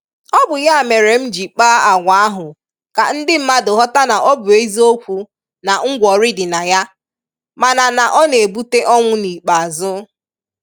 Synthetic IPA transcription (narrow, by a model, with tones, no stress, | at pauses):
ɔ˦bʊ˨ja˦a˨me˨ɾe˨m̩˦d͡ʒi˨k͡paː˦a˨ɡʷa˦a˦ɦʊ˨ | ka˨n̩˦dɪ˦m̩˦ma˦dʊ˨ɦɔ˦ta˦na˨ʔɔ˦bʊ˨e˦zi˦o˦kʷu˨ | na˨ŋ̩˦ɡʷɔ˨ɾɪ˦dɪ˨na˨ja˦ | ma˨na˨na˨ʔɔ˦ne˨bu˦te˦ʔɔ˦ŋʷʊ˦ni˨k͡pa˨a˨zʊ˦